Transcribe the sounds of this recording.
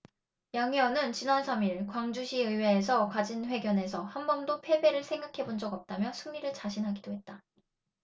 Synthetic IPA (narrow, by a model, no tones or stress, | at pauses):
jaŋjʌnɯnt͡ɕinansʰamiɭkwaŋd͡ʑuɕʰiɯwe̞ːs̬ʰʌkad͡ʑinɸwe̞ɡjʌne̞sʰʌhanbʌndopʰe̞be̞ɾɯɭsʰe̞ŋɡakʰe̞bond͡ʑʌɡʌp̚t͈amjʌsʰuŋɲiɾɯɭt͡ɕaɕʰinɦaɡidoɦe̞t̚t͈a